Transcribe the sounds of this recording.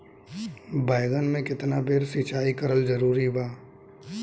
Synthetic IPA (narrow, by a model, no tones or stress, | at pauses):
baːɪɡənmẽkɪt̪nabʱeːɾsit͡ʃaːikəɾəld͡ʒəɾuːɾibaː